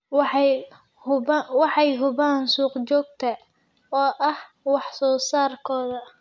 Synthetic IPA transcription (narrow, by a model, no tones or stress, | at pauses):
w | ʊwɑħɑjɦʊβaːnsuːqt͡ʃɔːɡ̚t̪ʰɐ | ɔːʔɐh | wɑħsɔːsaːrkʰɔːðɐ